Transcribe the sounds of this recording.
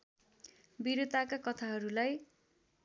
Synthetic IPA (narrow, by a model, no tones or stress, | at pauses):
biɾot̪akakʌt̪ʰaɦʌɾulaj